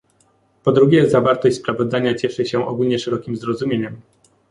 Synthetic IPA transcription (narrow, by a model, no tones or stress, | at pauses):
pɔd̪ɾuɡʲɛzavaɾt̪ɔɕtʲspɾavɔzd̪aɲat͡ɕɛʂɘɕɛʔɔ̰ɡulɲɛʂɛɾɔkʲimzɾɔzumʲjeɲɛm